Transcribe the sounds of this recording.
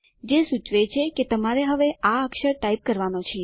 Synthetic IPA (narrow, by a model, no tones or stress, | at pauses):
d͡ʒesut͡ʃʋet͡ʃʰeket̪əmaɾeɦəʋeʔaəkʃəɾʈaip̚kəɾʋanot͡ʃʰi